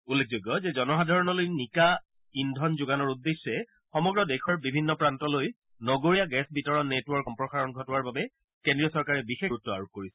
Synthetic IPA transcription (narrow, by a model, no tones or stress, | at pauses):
ulːek̚ʰzojɡːɔzɛzɔnɔxadʱaɹɔnɔlojnika | indʱɔnzʊɡanɔɹudːesːɛ | xɔmɔɡɹɔdɛkʰɔɹbibʱinːɔpɹantɔloj | nɔɡoɹijaɡɛsbitɔɹɔnːetwɔɹkɔmpɹɔxaɹɔnɡʱɔtɔwaɹbabɛ | kendɹijɔsɔɹkaɹɛbixeɹutːɔa̰ɹuk̚koɹisɛ̥